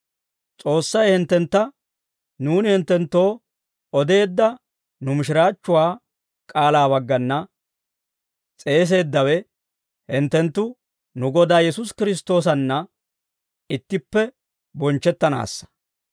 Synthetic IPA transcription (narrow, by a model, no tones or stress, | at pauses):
t͡sʼo̞ːsːɐjhɪnt̪ːɛnt̪ːɐ | nuːnɪhɪnt̪ːɛnt̪ːo̞ː | ɔd̪e̞ːd̪ːɐ | nʊmɪʃɪɾaːt͡ʃːʊwaː | kʼaːlaːβɐɡːɐnːɐ | t͡sʼe̞ːs̬e̞ːd̪ːɐwɛ | hɪnt̪ːɛnt̪ːʊ | nʊɡɔd̪aːjɛsʊskɪɾɪs̬t̪o̞ːs̬ɐnːɐ | ɪt̪ːɪpːɛ | bɔnt͡ʃːɛt̪ːɐna̰ːsːɐ̥